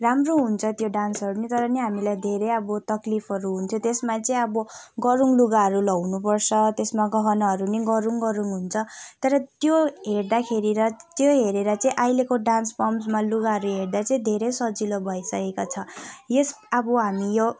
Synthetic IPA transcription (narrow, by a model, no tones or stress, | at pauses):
ramroɦunt͡sʰʌt̪joɖansʌɾunet̪ʌɾʌneɦamilajd̪ʱeɾejʌbʌt̪ʌklipʰʌɾuɦunt̪ʰjot̪esmat͡sʌĩʌbʌɡʌɾuŋluɡaɦʌɾulʌwnupʌrt͡sʰʌt̪esmaɡʌɦʌnʌɦʌɾuneɡʌɾuŋɡʌɾuŋɦunt͡sʰʌt̪ʌɾʌt̪joɦeɽd̪akʰeɾiɾʌt̪joɦeɾeɾʌt͡saĩʔajlekoɖanspʌmsmaluɡaɦʌɾuɦeɽd̪at͡sʌĩd̪ʱeɾesʌd͡zilobʱʌjsʌkekot͡sʰʌjes | abʌɦamijo